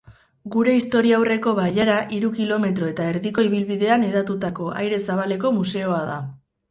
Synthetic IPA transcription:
ɡuɾe̞ist̪o̞ɾiaawre̞ko̞βaʎaɾaʔiɾukilo̞me̞t̪ɾo̞e̞t̪ae̞ɾðiko̞iβ̞ilβiðe̞aneðat̪ut̪ako̞ʔa̰jɾe̞saβale̞ko̞muse̞oaða̰

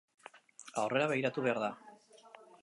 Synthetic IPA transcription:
awre̞ɾaβeiɾat̪uβe̞aɾða

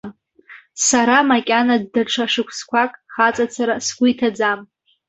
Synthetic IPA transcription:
saɾamakʲʼanadːaʈ͡ʂʷʰaʂɨkʷʰskʷʰakʼχat͡sʼat͡sʰaɾasɡʷʊjtʰad͡zam

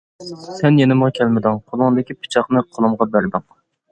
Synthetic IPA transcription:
sɛnjenɪmʁɑkʲʰɛlmɪd̪ɪŋqʰolˠʊŋd̪ɪkʲipʰɨ̥t͡ʃʰɑχnɨqʰolˠɨmʁɑbæɾd̪ɪŋ

